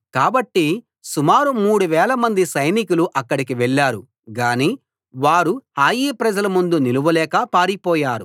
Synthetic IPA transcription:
kaːbɐʈːi | sumaːɾumuːɽuʋɛːlɐmɐnd̪isɐjnikuluʔɐkːɐɽik̬iʋɛɭːaːɾṵ | ɡaːniː | ʋaːɾuhaːjiːpɾɐd͡ʒɐlɐmund̪uniluʋɐlɛːkɐpaːɾipɔːjaːɾu

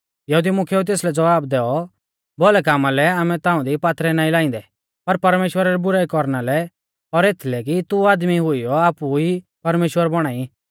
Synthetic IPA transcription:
jɐɦud̪imʊkʰɛut̪̬eːslɛd͡zɐʋaːbd̪ɛːɔ | bɔːlɛk̬aːmalɛaːmɛ̃t̪ãːʊ̃d̪ipaːt̪ʰɾɛnãːĩlaːɪ̃nd̪ɛ | pɐɾpɐɾmeːʃwəɾaɾɛbʊɾaːikɔɾnalɛ | ɔɾet̪ʰilɛk̬it̪uaːd̪miɦʊijɔaːpui | pɐɾmeːʃwəɾbɔɽ̃aːi

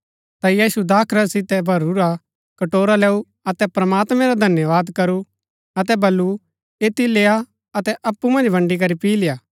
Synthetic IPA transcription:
t̪ajiːsud̪aːkʰɾasɪt̪ɛbʱɐɾuɾa | kɐʈoːɾalɛːu | ɐt̪ɛpɾɐmaːt̪mɛ̃ɾad̪ʱɐnjəʋaːd̪kɐɾu | ɐt̪̬ɛbɐlːu | eːt̪ileːa | ɐt̪ɛʔɐpːumɐ̃nd͡ʒbʱɐ̃ɳɖik̬ɐɾipiːlɪjaː

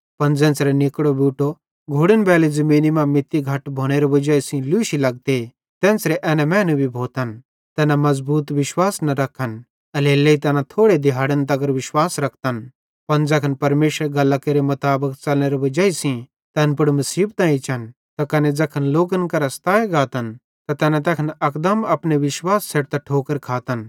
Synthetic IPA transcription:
pɐnd͡zɛ̃ːnt͡sɾenɪkɽobuːʈo | ɡʱoːɽənbɛːlid͡zɐmĩːnimãmɪt̪ːiɡʱɐʈbʱoːɽ̃eɾobɐd͡ʒaːisĩluʃilɐɡ̚t̪e | t̪ɛ̃ːnsɾeʔɛːnɛ̃mɛ̃ːnũbʱibʱoːt̪ən | t̪ɛːnamɐzbuːt̪ʋɪʃwaːsnɐɾɐkʰən | ɐleːlːeit̪ɛːnat̪ʰoːɽed̪ɪɦaːɽənt̪ɐɡəɾʋɪʃwaːsɾɐkʰt̪ən | pɐnd͡zɐkʰənpɐɾmeːʃəɾeɡɐlakeɾemɐt̪aːbəkt͡ʃɐlneːɾeʋɐd͡ʒaːisĩ | t̪ɛːnpʊɽmɐsiːbt̪ãːĩt͡ʃʰɐn | t̪ɐkɐned͡zɐkʰənloːɡənkɐɾast̪aːeɡaːt̪ən | t̪ɐt̪ɛːnãt̪ɛːkʰənɐkd̪əmɐpneʋɪʃwaːsːeʈt̪ɐʈʰoːkəɾkʰaːt̪ən

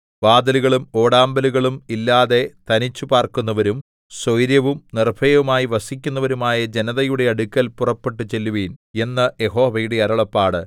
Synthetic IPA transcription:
baːd̪ɐluɣɐɭumo̞ːɽaːmbɐluɣɐɭumilːaːðe̞t̪ɐnit͡ɕːupaːrkunːɐʋɐɾum | sojɾjɐʋumnirbʰʱɐjɐʋumaːjiʋɐsik̬ʲːunːɐʋɐɾumaːjɐd͡ʑe̞nɐðɐjuɽe̞ɐɽukʲːɐlpurɐpːe̞ʈːɨt͡ɕe̞lːuʋiːne̞nːɐje̞ɦo̞ːʋɐjuɽeɐɾɐɭɐpːaːɽɨ

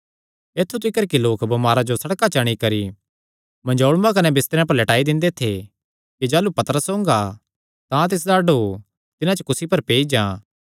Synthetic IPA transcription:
eːt̪ʰːut̪̬ɪkəɾkiloːkbɐmaːɾad͡ʒosɐɽkat͡ʃaɽ̃ikɐɾi | mɐ̃nd͡ʒoːɽmãk̬ɐnɛbɪst̪ɾeãp̬ɐɾlɐʈaːid̪ɪ̃nd̪et̪ʰe | kid͡ʒaːlupɐt̪əɾəsɦõːŋɡa | t̪ãt̪̬ɪs̬d̪aɖo | t̪ɪnãt͡ʃəkʊsipɐɾpeːid͡ʒãː

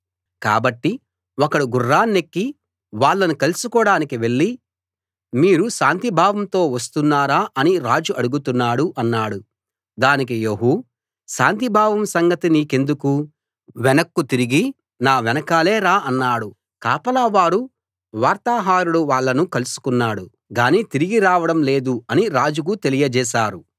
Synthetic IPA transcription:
ka̰ːbɐʈːi | ɔkɐɽuɡurːaːnːekːi | ʋaːɭːɐnukɐlusukɔːɽaːnikiʋe̞ɭːi | miːɾuʃaːnt̪ibʱaːʋɐmt̪o̞ːʋɐs̬t̪unːaːɾaːʔɐniɾaːd͡ʒuʔɐɽuɡut̪unːaːɽuʔɐnːaːɽu | d̪aːnik̬ijoːɦu | ʃaːnt̪ibʱaːʋɐmsɐŋɡɐt̪iniːke̞nd̪uku | ʋɛnɐkːut̪iɾiɡi | naːʋɛnɐkaːle̞ːɾaːʔɐnːaːɽu | kaːpɐlɐʋaːɾu | ʋaːɾt̪aːɦaːɾuɽuʋaːɭːɐnukɐlusu̥kunːaːɽu | ɡaːniːt̪iɾiɡiɾaːʋɐɽɐmle̞ːd̪uɐniɾaːd͡ʒuk̬ut̪e̞lijɐd͡ʒɛːʃaːɾu

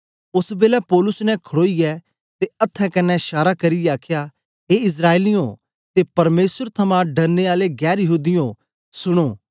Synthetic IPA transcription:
ʊsbeːlɛpɔːlʊsnɛ̃kʰɽoːijɛ | t̪eɐt̪ʰːɛ̃kɐnːɛʃaːɾakɐɾijɛaːkʰja | ɦeɪs̬ɾaːelijõ | t̪epɐɾmeːsəɾt̪ʰɐmãɖɐɾneaːleɡɛːɾjɐɦuːd̪ɪjõ | sʊɽ̃oː

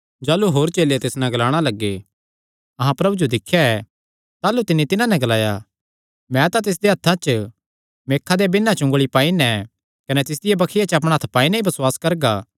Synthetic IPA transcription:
d͡ʒaːluɦoːɾt͡ʃeːlet̪eːsnɛ̃ɡɐlaːɽ̃alɐɡːe | ɐɦãpɾɐbud͡ʒod̪ɪkʰːjaɛ | t̪aːlut̪ɪnːit̪ɪnãnɛ̃ɡɐlaːja̰ | mɛ̃t̪at̪ɪs̬d̪eɦɐt̪ʰãt͡ʃ | meːkʰːad̪ebɪnːãt͡ʃʊ̃ŋɡɭipaːinɛ | kɐnɛt̪ɪs̬d̪ɪjabɐkʰɪjat͡ʃəɐp̬ɽ̃ɦɐt̪ʰpaːinɛ̃ibɐswaːskɐɾɡaː

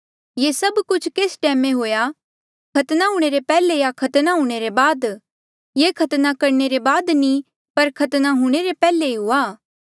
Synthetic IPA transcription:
jesɐbkʊt͡ʃʰkeːsʈɛːmẽɦoːja | kʰɐt̪naɦuːɽ̃eɾepɛːlejakʰɐt̪naɦuɽ̃eɾebaːd̪ | jekʰɐt̪nakɐɾɳeɾebaːd̪ni | pɐɾkʰɐt̪naɦuɽ̃eɾepɛːleiɦʊaː

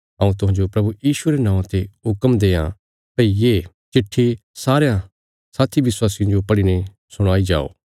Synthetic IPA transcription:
ɐ̃ũt̪̬ʊɦãːd͡ʒopɾɐbujiːsueɾenãːt̪eɦʊkəmd̪eːã̰ | pɐijeː | t͡ʃɪʈʰːesaːɾejã | saːt̪ʰiʋɪswaːsij̃d͡ʒopɐɽine | sʊɽ̃aːid͡ʒa̰ːo̰ː

